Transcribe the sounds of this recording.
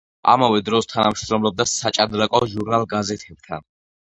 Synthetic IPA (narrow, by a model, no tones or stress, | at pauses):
a̰mavɛd̪ɾɔst̪ʰanamʃɾɔmlɔb̚d̪asat͡ʃʼad̪ɾakʼɔʒuɾnalˠɡazɛt̪ʰɛb̥̚t̪ʰa̰n